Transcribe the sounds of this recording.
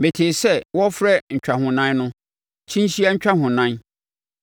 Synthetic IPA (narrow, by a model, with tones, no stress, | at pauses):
me˨tʰeː˨sɛ˦wɔ˦fɾɛ˦ɲ̩˨t͡ɕᶣa˨hʊ̃˨nã˦nnʊ̃˦ | t͡ɕʰĩ˦ɕi˦a˦ɲ̩˦t͡ɕᶣa˦ɦʊ̃˨nã˦n